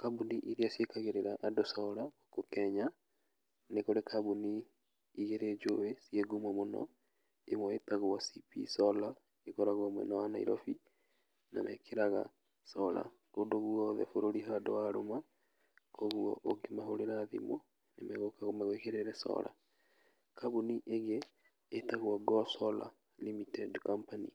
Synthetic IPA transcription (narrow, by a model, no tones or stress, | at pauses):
kabuniʔiɾiasjekaɣeɾeɾaʔːdosɔɾaɣokokɛɲa | nekoɾekʰabuniː | ɣeɾed͡ʒoβesieɡumɔmonɔ̰ | emɔetaɣowasipḭsɔla | ekɔɾaɣwamwɛ̰nawana̰ḭɾɔfi | na̰mɛ̰kʰeɾaɣa̰ | sɔla̰ | kodoɣuɔðɛ̰foɾoɾiɦadowaɾoma | koɣuɔ̰ʔokemaɦoɾeɾaðḭmɔ | nemɛɣokaɣomaɣkeɾeɾɛsɔ̰la̰ | kaβuniʔeɣeː | taɣwɔɡɔsɔla̰ | limitɛdkampanḭ